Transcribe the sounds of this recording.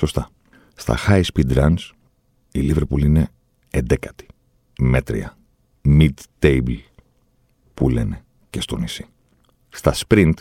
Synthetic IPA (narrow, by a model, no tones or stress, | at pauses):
so̞st̪ɐ | st̪ɐ̰xɐispid̪ɾɐns | iliveɾpuline̞ː | nd̪e̞kɐ̥t̪i̥ | me̞t̪ɾḭɐ̰ | mid̪t̪ejbl | pule̞ne̞ | ce̞st̪o̞nisi̥ | st̪ɐspɾint̪